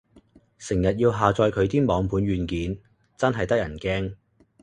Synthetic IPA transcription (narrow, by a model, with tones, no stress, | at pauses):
sɪ˨˩ŋjɐ˨t̚jiː˧wɦaː˨t͡sɔː˧jkʰɵ˨˧ɥt̪iː˥mɔː˨˧ŋpʰuː˨˧˥nɥyː˨˧nkiː˨˥n | t͡sɐ˥nɦɐ˨jt̪ɐ˥k̚jɐ˨˩nkɛː˥ŋ